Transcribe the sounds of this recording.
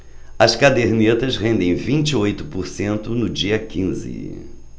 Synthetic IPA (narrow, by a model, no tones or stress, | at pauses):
ɐskad̪eɾniet̪ɐsɦẽnd̪ẽj̃vĩt͡ʃɪojt̪ʊ̥poɾsẽnt̪ʊnʊd͡ʒiɐkĩzɪ̰